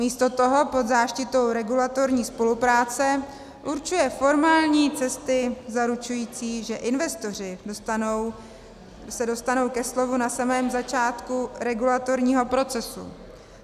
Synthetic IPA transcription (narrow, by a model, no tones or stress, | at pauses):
miːst̪o̞t̪o̞ɦo̞po̞d̪zaːʃcɪt̪o̞wɾɛɡulat̪o̞ɾɲiːspo̞lupɾaːt͡sɛ | ʔuɾt͡ʃujɛfo̞ɾmaːlɲiːt͡sɛst̪ɪzaɾut͡ʃujiːt͡siːʒɛʔɪnvɛst̪o̞r̝ɪnow | sɛdo̞st̪ano̞wkɛslo̞vunasamɛːmzat͡ʃaːt̪kuɾɛɡulat̪o̞ɾɲiːɦo̞pɾo̞t͡sɛsṵ